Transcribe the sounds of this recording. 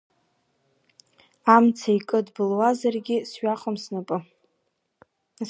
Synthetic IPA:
amt͡sʰaikʼɨdbɨlwazarɡʲɪsʃaχʼamsnapʼɨ

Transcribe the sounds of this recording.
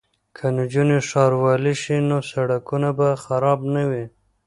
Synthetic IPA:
kʰand͡ʒuneʂɑɾwɑliʃinosaɽakunabaxaɾɑbnawi

